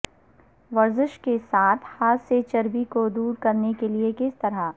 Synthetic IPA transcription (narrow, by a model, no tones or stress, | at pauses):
ʋɐɾzɪʃkesaːt̪ʰhaːtset͡ʃɐɾbikod̪uːɾkɐɾnekeliekɪst̪ɐɾa